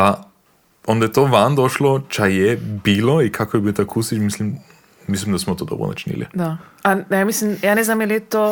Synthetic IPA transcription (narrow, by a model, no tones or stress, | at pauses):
a | ond̪ajɛt̪oʋand̪oʃlot͡ʃajɛbiloikʰakojɛbilt̪akʰusit͡ʃmislim | mislimd̪asmɔt̪od̪obɾo̰na̰t͡ʃnḭlḭd̪aajaːmislimjaːnɛznamjaliɛt̪o